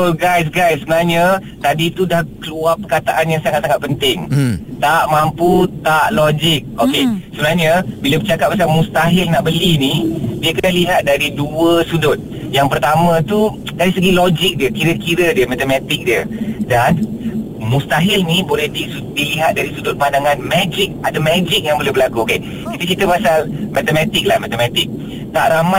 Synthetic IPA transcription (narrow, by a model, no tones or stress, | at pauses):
oɡajs̬ɡajsːəbənaɲə | t̪adit̪udahkəluapərkat̪aʔanjaŋsaŋat̪̚saŋat̪̚pənt̪ɪŋt̪aʔmamput̪aʔlod͡ʒɪk̚okesəbənaɦɲəbilabət͡ʃakat̚p̚masamũst̪aɦɪlnaʔbəlinibiəkaaliɦat̪̚daɾiduəsudʊt̪̚ | jaŋpərt̪amə̃t̪u | daɾisəɡilod͡ʒik̚diəkiɾəkiɾədiəmat̪əmat̪ik̚diədan | must̪aɦɪlnibolɛhdisudiliɦat̪̚daɾisudʊt̪̚pandaŋanmɛd͡ʒik̚adəmɛd͡ʒik̚jaŋbolɛhbəlakuoke | kit̪ət͡ʃit̪əpasalmat̪əmat̪ɪk̚lahmat̪əmɛt̪ɪk̚ | t̪aʔɾama